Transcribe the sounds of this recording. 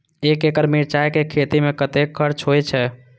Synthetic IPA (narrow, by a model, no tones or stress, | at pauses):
ekekəɾmiɾt͡ʃajkekʰet̪imekət̪ekʰːəɾt͡ʃɦojt͡ʃʰɛ